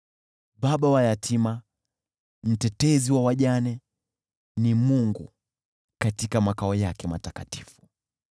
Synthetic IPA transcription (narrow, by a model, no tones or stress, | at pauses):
ɓaɓawajatʰima | m̩tɛtɛziwawaʄanɛ | nimuŋɡṵ | katikamakaɔjakɛma̰takati̥fu̥